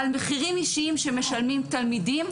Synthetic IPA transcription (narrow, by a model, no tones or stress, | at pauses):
almeχiʁimiʃiimʃeme̞ʃalmimt̪almidim